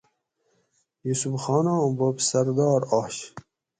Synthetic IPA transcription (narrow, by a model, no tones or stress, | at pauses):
jusufxɑːnɑ̃bobsɐɾd̪ɑːɾɑɕ